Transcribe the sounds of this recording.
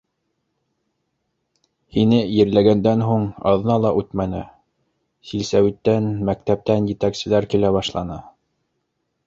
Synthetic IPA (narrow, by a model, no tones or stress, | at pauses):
hinɘjɘ̆ɾlæɡænd̪ænɦuɴɑ̰ðɤ̆nɑlˠɑʔʉt̪mænɘ | silsæwit̪ːænmæk̚t̪æp̚t̪ænjɘ̆t̪æksɘ̆læɾkilæβɑʃlˠɑnɤ